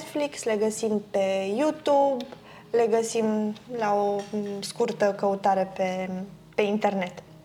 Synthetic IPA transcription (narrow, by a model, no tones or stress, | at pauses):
t̪fliksleɡəsimpejut̪ub | leɡəsimlaoskurt̪əkəut̪aɾəpe | pe̞int̪e̞rnet̪